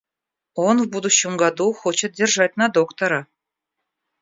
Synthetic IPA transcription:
onvbud̪uɕumɡɑd̪uxot͡ɕɤ̆t̪̚d̪ʲerʒɑt̪̚ʲnɑd̪okt̪ŏɾɤ̆

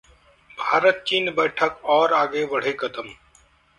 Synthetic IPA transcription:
bʱaːɾət̪̚t͡ʃiːnbɛːʈʰəkɔːɾaːɡebəɽ̤ekət̪əm

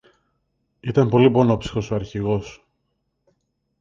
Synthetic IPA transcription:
it̪ɐmpo̞lipo̞nopsi̥xo̞soɐɾçiɣo̞s

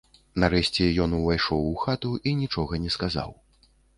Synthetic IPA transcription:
naɾɛɕʲt͡sʲɛjɔnuvajʂɔwuxat̪uʔinʲit͡ʂɔɣɐnʲɛskaza̰w

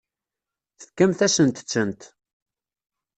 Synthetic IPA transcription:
θə̥kːæmθæsənt̪t͡sːənt̪

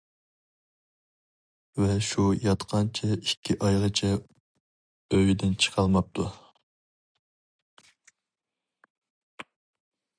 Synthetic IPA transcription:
vɛʃujɑt̪qʰɑnt͡ʃʰɛikʲʰːiʔɑjʁət͡ʃʰɛ | øwid̪ɪnt͡ʃʰə̥qʰɑlˠmɑp̚t̪ʰu

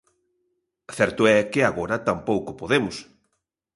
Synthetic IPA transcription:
θɛɾt̪ʊɛkɪaɣoɾɐt̪ampowkʊpoðemʊs

